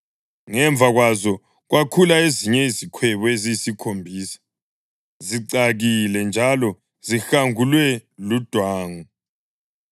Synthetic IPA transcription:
ŋɛɱb̪vʱaɣwazɔ | ɣwʔakʰulaeziɲɛizikʰwɛβɔezisikʰombʱiːsḁ | ziǀaɣilɛnd͡ʒʱalɔ | zixaŋulwɛlud̥ʱwaːŋu

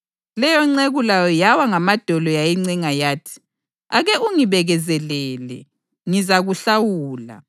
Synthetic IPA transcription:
lɛjɔŋ͡ǀeɣulajɔjawaŋamad̥ʱɔlɔjajiŋ͡ǀiŋajaːtʰi̥ | aɣɛuŋiβɛɣɛzɛlɛːlɛ̰ | ŋizaɣuɬawuːla̰

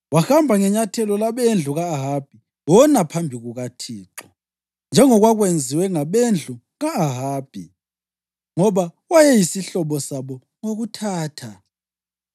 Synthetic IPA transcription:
waxambʱaŋɛɲatʰɛlɔlaβend͡ɮʱuɣaːɦab̥ʱi | wɔnapʰambʱiɣuɣatʰiːǁɔ | nd͡ʒʱɛŋɔɣwaɣwend͡zʱiwɛŋaβend͡ɮʱu | ɣaːɦaːb̥ʱi | ŋɔβa | wajɛjisiɬɔβɔsaβɔ | ŋoɣutʰaːtʰa

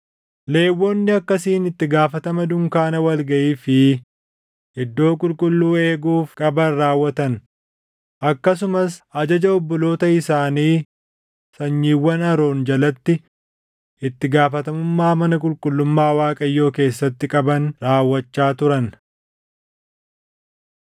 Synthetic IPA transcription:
le̞ːwːonːɪɐkːɐsiːnɪt̪ːɪɡaːfɐt̪ɐmɐd̪ʊŋkaːnɐwɐlɡɐʔiːfɪ | ɪd̪ːo̞ːkʼʊlkʼʊlːuːe̞ːɡuːfkʼɐbɐnraːwːɐt̪ɐn | ʔɐkːɐs̬ʊmɐsʔɐd͡ʒɐd͡ʒɐɔbːɔlo̞ːt̪ɐɪsaːniː | sɐɲːiːwːɐnɐɾo̞ːnd͡ʒɐlɐt̪ːɪ | ʔɪt̪ːɪɡaːfɐt̪ɐmʊmːaːmɐnɐkʼʊlkʼʊlːʊmːaːwaːkʼɐjːo̞ːke̞ːsːɐt̪ːɪkʼɐbɐnɾaːwːɐt͡ʃːaːt̪ʊɾɐn

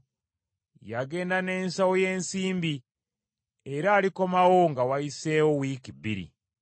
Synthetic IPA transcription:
jaɡe̞ːndane̞ːnsawojeːnsiːmbi | eɾaːliko̞mawoŋɡawaiseːwowikibḭɾḭ

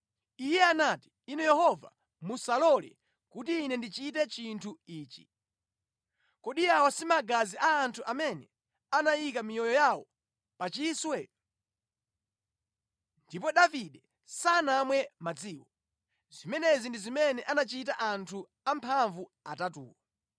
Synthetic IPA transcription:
ijɛanati̥ːnɛjɛhɔva̰ | musalɔlɛ̰ | kutiːnɛndit͡ʃitɛt͡ʃintʰuiːt͡ʃi̥̰ | kɔɗijawɔsimaɡaziaːntʰuʔamɛnɛ | anajik̬amijɔjɔjawɔ | pat͡ʃiswɛ | ndip̬ɔɗaviɗɛ | sanamwɛmad͡ziːwɔ | z̥imɛnɛzindizimɛnɛʔanat͡ʃit̬aʔantʰu | ampʰaɱvuatatṵːwɔ

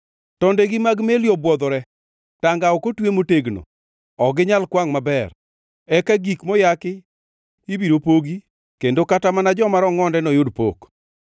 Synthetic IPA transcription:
tɔndeɡimaɡmeljɔbwɔd̪ɔɾɛ | taŋɡaɔkotwemoteɡno̰ | ɔɡɪɲalkwaŋmabɛr | ɛkaɡikmɔjakɪ | ibiɾopoɡi | kendokatamanad͡ʒɔmaɾɔŋɔndɛnɔjʊdpo̰k

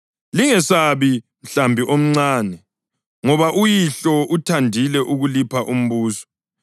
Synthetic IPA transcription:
liŋɛsaβi | m̩ɬambʱiʔom̩ŋ͡ǀaːnɛ | ŋɔβaʔujiɬɔʔutʰandʱilɛʔuɣulipʰaʔum̩βuːsɔ̥

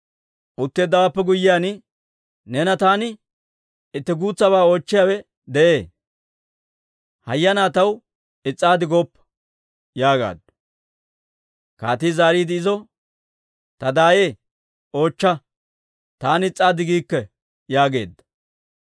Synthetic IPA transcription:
ʔʊt̪ːeːd̪ːɐwapːɛɡʊjːɪjaːnɪ | nɛnɐt̪aːnɪ | ɪt̪ːɛɡuːt͡sːɐβaːo̞ːt͡ʃːɪjaːwɛ | d̪ɛʔeː | hɐjːɐnaːt̪ɐw | ɪt͡sʼːaːd̪ɪɡoːpːɐ̥ | jaːɡa̰ːd̪ | ka̰ːt̪iːzaːɾiːd̪ɪɪzɔ | t̪ɐd̪aːjeː | o̞ːt͡ʃːɐ | t̪aːnɪt͡sʼːaːd̪ɪɡiːkːɛ | jaːɡe̞ːd̪ːɐ̥

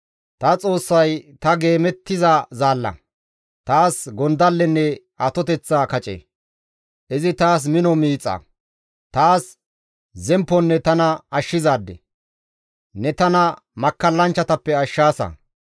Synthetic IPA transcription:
t̪ɐt͡sʼo̞ːsːɐjt̪ɐɡe̞ːmɛt̪ːɪzɐzaːlːɐ̰ | t̪aːsɡɔnd̪ɐlːɛnːɛ | ɐt̪ɔt̪ɛt͡sːaːkɐt͡ʃʼḛ | ʔɪzɪt̪aːs̬mɪnɔmiːt͡sʼːɐ̰ | t̪aːs | zɛmpːɔnːɛt̪ɐnɐɐʃːɪzaːd̪ːɛ̰ | nɛt̪ɐnɐ | mɐkːɐlːɐnt͡ʃːɐt̪ɐpːɛɐʃːaːsɐ̰

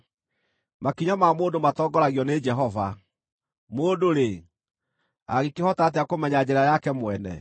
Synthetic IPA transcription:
makiɲamaːmoːdomatɔːɡɔɾaɣiɔned͡ʒɛɦɔva | moːdoɾe | a̰ɣekehɔtat̬eakomɛɲad͡ʑɛɾajakɛmwɛnɛ̰

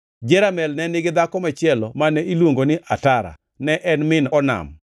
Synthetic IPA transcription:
d͡ʒɛɾamɛlnɛnɪɡɪd̪akɔmat͡ʃɪɛlɔmanɛilwoŋɡonɪʔataɾa̰ | nɛʔɛnmɪnɔna̰m

